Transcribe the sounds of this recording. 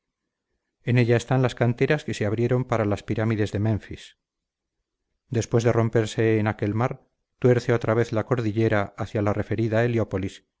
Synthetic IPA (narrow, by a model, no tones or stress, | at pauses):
e̞ne̞ʎaest̪anlaskant̪e̞ɾaske̞se̞aβɾje̞ɾo̞mpaɾalaspiɾamiðe̞zðe̞mẽ̞ɱfis | d̪e̞spwe̞zðe̞ro̞mpe̞ɾse̞ːnake̞lmaɾ | t̪we̞ɾθeo̞t̪ɾaβ̞e̞θlako̞ɾðiʎe̞ɾaaθjalare̞fe̞ɾiðaeljopo̞lis